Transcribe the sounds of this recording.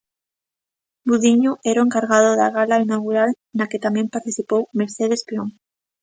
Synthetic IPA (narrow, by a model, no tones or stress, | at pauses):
buðiɲoʔeɾoeŋkaɾɣaðoðaɣalainaɣuɾal | naket̪amjẽmpaɾt̪iθipowmeɾθeðespiõŋ